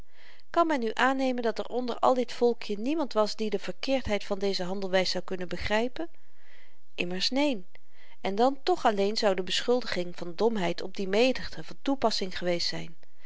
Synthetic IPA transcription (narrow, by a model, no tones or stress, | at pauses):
kɑnmɛnyʔaːnejməndɑtɛ̰ɹʔɔndə̰ɹɑ̰lˠdɪtfɔlˠkʰjənimɑntʋɑsdidəv̥əɹkɪːɹtɦɛjtfɑndejzəɦɑndəlˠʋɛjsɑwkɵnənbəχrɛjpən | ʔɪməɹsnejn | ɛndɑntɔχɑlejnzɑwdəbəsχɵlˠdəχɪŋv̥ɑndɔmɦɛjtɔb̚dimejdəχdəvɑntupɑsɪŋχəʋejstsɛ̰jn